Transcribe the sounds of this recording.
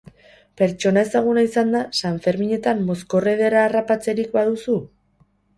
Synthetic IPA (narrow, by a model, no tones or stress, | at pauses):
pe̞ɾt͡ʃo̞nae̞saɣ̞unaisand̪asaɱfe̞ɾmiɲe̞t̪amːo̞sko̞reð̞e̞ɾaːrapat͡se̞ɾikbaðusu